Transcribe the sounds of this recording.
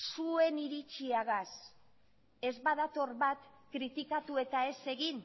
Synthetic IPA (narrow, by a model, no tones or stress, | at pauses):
sue̞niɾit͡ʃiaɣas | e̞zβaðat̪o̞rβat̪kɾit̪ikat̪ue̞t̪ae̞se̞ɣin